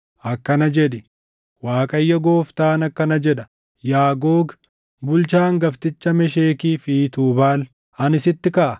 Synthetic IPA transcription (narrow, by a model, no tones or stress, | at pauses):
ʔɐkːɐnɐd͡ʒɛᶑɪ | waːkʼɐjːɐɡo̞ːft̪aːnɐkːɐnɐd͡ʒɛᶑɐ̥ | jaːɡo̞ːɡ | bʊlt͡ʃaːŋɡɐft̪ɪt͡ʃːɐmɛʃ̬eːkiːfiːt̪uːbaːl | ɐnɪsɪt̪ːɪkɐʔɐ